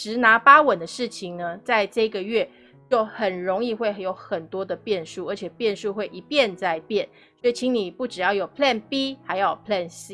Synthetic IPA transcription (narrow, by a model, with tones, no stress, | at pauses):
ʈ͡ʂɻ̩˧˥na˧˥pa˥wə˨˩nd̪ə˦ʂɻ̩˥˩t͡ɕʰi˨ŋnə˨t͡sa˥˧ɪʈ͡ʂɤ˥˧i˦ɡə˨ɥɛ˥˩ | t͡ɕjo˥˩ʊxə˨˩nɻo˧˦ŋi˥˧xwe˥˩ɪjo˧˥ʊxə˨˩nt̪wɔ˥d̪ə˨pjɛ˥˧nʂu˥˩ə˞˧˥t͡ɕʰjɛ˨˩pjɛ˥˧nʂu˥˧xwe˥˩ɪʔi˧˥pjɛ˥˧nt͡sa˥˧ɪpjɛ˥˩n | swɔ˧˥i˨˩t͡ɕʰi˧˥ŋni˨˩pu˥˩ʈ͡ʂɻ̩˨˩jɑ˥˩ʊjo˨˩ʊpʰlɛ˥˩npi˥xa˧˥ɪjo˨˩ʊpʰlɛ˥˧˩nsi˦˥